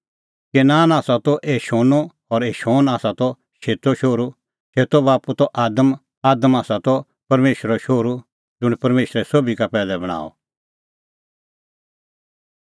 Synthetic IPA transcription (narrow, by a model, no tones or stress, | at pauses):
kenaːnaːsat̪ɔʔeːʃoːnɔ | ɔɾeːʃoːnaːsat̪ɔ | ʃeːt̪ɔʃoːɾu | t͡ʃeːt̪ɔbaːput̪ɔʔaːd̪əm | aːd̪əmaːsat̪ɔ | pɐɾmeːʃɾɔʃoːɾu | d͡zʊɽ̃pɐɾmeːʃɾɛsobʱikapɛːlɛbɐɽ̃a̰ːɔ̰